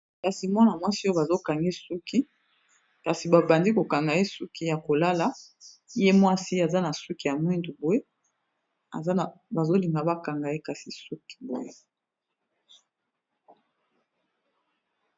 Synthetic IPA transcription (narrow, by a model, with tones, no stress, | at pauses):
ka˨si˨mwa˦na˨mwa˦si˦o˦ba˨zo˦ka˨ŋɡi˦su˦ki˦ | ka˨si˨ba˨ba˨ndi˦ko˨ka˨ŋɡa˨je˦su˦ki˦ja˨ko˨la˦la˦ | je˦mwa˦si˦a˨za˦na˨su˦ki˨ja˨mwi˦ndu˨bo˦e˦ | a̰˨zba˨zo˦li˨ŋɡa˨ba˦ka˨ŋɡa˨je˦ka˨si˨su˦ki̥˨bo̰˦e˦